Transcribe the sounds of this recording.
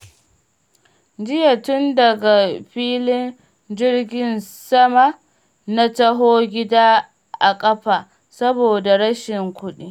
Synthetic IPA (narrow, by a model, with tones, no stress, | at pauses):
d͡ʒɪ˦ja˨tʊ˦ndɐ˨ɡa˨ɸiː˦lɪ˦n | d͡ʒɪ˦rɡʲɪ˦nsɐ˦ma˨ | na˦tɐ˦ɦoː˦ɡʲɪ˦daː˦ | ʔa˨kʼɐ˦ɸa˨ | sɐ˦boː˨da˨ɾɐ˦ʃɪ˨ŋkʷʊ˦ɗiː˦